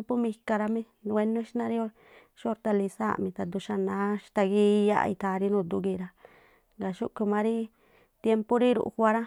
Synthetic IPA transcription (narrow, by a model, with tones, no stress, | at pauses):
mpu˦mĩ˧ka˧ɾa˧mĩ˦˧ | e˧nõ˦ʃnã˧ɾi˦o˦˧ɾ | ʃo˧ɾt̪a˧li˧sa̰˦˨mĩ˧t̪a˨d̪u˧ʃa˧nã˨˦ʃt̪a˧ɡi˦˧ja̰˦ʔḭ˧t̪a˧ɾi˦nũ˧˨d̪u˧ɡi˧ɾa˧ | ŋɡa˨ʃṵ˦ʔku˧mã˧ɾi˦ | t̪je˧mpu˦ɾi˦ɾṵ˨ʔhʷa˧ɾa˦